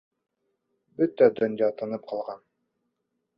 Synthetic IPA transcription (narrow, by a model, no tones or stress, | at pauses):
bɵt̪æd̪ɵ̆njɑt̪ɤ̆nɤp̚qɑlˠʁɑn